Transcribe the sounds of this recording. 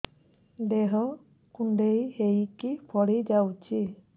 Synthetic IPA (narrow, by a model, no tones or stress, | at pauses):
deɦɔ | kunɖejhejkipʰɔɽid͡ʒawt͡ʃʰi